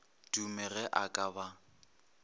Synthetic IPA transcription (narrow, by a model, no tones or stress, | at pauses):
d̥umɛɣɛʔakʼaba